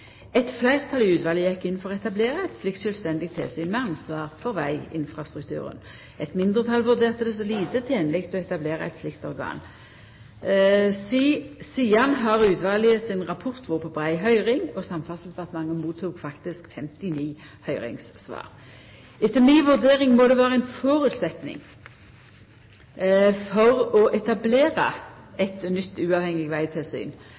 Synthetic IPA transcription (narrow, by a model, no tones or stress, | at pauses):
ɛt̪flæɪʁt̪ʰɑlɪʉːt̪ʋɑːləjɛkːɪn̩ːfɔʁɛt̪ɑbleːʁəɛt̪slɪk̪̚ʃœlst̪ɛnd̪ɪɡ̚t̪ʰːɛ̰ːlsyːnmɛɑnsʋɑːʁfɔʁʋæɪɪ̰nfʁɑst̪ʁʉkt̪ʰʉ̰ːʁə̰n | ɛt̪mɪnd̪ʁət̪ʰɑlʋʉʁd̪eːʁt̪əd̪ɛs̬ɔliːt̪ət̪ʰeːnlɪkt̪ɔɛt̪ɑbleːʁɑ̰ɛ̰t̪slɪkt̪ɔʁɡɑ̰ːn | siːsiːɑnɦɑʁʉːt̪ʋɑːlɪəsɪnʁɑpʰɔʁt̪ʋuːʁpʰɔbʁæɪɦœʏʁɪŋɔsɑmfɑs̩fɑt̪mɑŋːəmuːt̪ʰːuːkfɑkt̪ɪskfɛmt̪ɪniː | hœʏʁɪ̰ŋssʋɑ̰ːʁ | ɪt̪əmiːʋʉʁd̪eːɾɪŋmod̪ɛʋæːʁəɛnfɔːʁʉt̪sɛt̪nɪ̰ŋ | fɔʁɔʔɛt̪ɑbleːʁɑ̰ɛt̪nʏt̪ːʉːɑːʋhɛŋːɪɡʋæɪt̪ʰɪlsy̰ːn